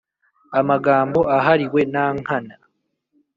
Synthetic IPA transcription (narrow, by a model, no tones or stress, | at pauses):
amaɡaːmbo̞aɦaɾiwe̞naːŋ̥hana